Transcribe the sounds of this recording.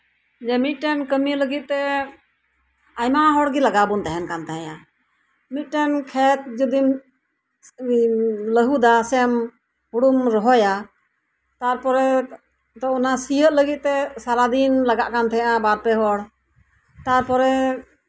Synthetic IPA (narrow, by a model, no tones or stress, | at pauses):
d͡ʒɛmit̪̚ʈɛnkəmiləɡit̪̚ˀt̪ɛ | ajmaɦɔɽɡilaɡabunt̪ɛɦɛnkant̪ɛɦɛ̃ja | mit̪̚ˀʈɛnkʰɛt̪̚d͡ʒud̪im | ləɦud̪asɛm | huɽumɾɔɦɔja | t̪aɾpɔɾɛ | t̪ɔɔnasijəʔ̪ləɡit̪̚t̪ɛsaɾad̪inlaɡaʔkant̪ʰɛjʔãbaɾpɛɦɔɽ | t̪aɾpɔɾɛ